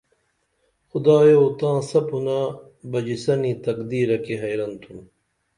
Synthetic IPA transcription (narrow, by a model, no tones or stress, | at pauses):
xʊd̪aːjoːt̪ãːsɐpuna | bɐd͡ʑisɐniːt̪ɐkd̪iːɾɐkeɦɐjɾɐnt̪ʰun